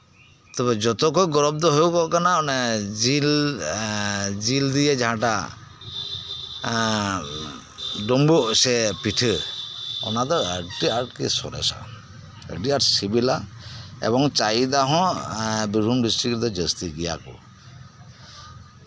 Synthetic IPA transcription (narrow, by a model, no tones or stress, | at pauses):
t̪ɔbɛd͡ʒɔt̪ɔkɔjɡɔɾɔb̚d̪ɔɦojukɔʔkanaɔnɛil | d͡ʒild̪ijɛd͡ʒaɦãʈa | ɖɔmbuʔsɛpiʈʰɯ | ɔ̰nad̪ɔəʈiaɾʈkḭsɔɾɛ̰sɔ̰ | ə̰ʈiaʈsibilaɛ̰bɔŋt͡ʃaid̪aɦɔ̃bibʱumɖistɾikʈd̪ɔd͡ʒəst̪iɡija̰kɔ̰